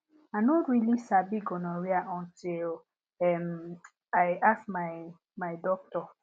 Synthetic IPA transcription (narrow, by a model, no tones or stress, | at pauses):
anotɹilisabiɡɔnɔɹiaʔɔ̃ntil | ɛm | aɪasmaɪ | madɔk̚tɔ